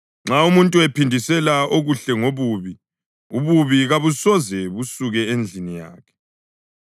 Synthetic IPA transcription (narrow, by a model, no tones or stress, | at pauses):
ŋ͡ǁaumuntʼuɛpʰindʱisɛlaoɣuɬɛŋoβuβi | uβuβiɣaβusɔzɛβusuɣɛend͡ɮʱinija̰ːkʰɛ̥